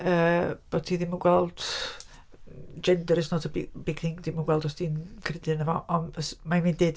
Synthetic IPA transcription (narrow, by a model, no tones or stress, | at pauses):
əːb̥o̥tʰiːðɪmənɡwɛlˠd̥ | d͡ʒɛndɛɾɪsnɔːdəbbɪɡʰɪŋd̥ɪmənɡwɛlˠdɔsd̥iːnkʰrɪdɨnəvɔʔɔnəsmaminded